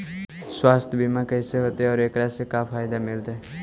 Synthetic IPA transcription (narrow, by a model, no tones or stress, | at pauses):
swaːst̪ʰbimãkɛɪseɦoːt̪eɔːɾeːkɾasekapʰaːjd̪amɪlt̪ɦɛ